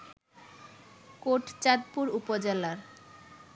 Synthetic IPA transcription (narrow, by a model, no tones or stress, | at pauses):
koʈt͡ɕad̪̚puɾupod͡ʑelaɾ